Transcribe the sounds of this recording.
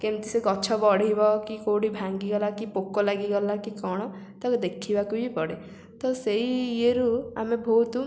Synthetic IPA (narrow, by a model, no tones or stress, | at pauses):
kemt̪iseɡɔt͡ʃʰɔbɔɽibɔkikowɽibʱaŋɡiɡɔlakipokːɔlaɡiɡɔlakikɔɽ̃ɔt̪ɔkd̪ekʰibakuipɔɽe | t̪ɔseieɾua̰mebʱowt̪u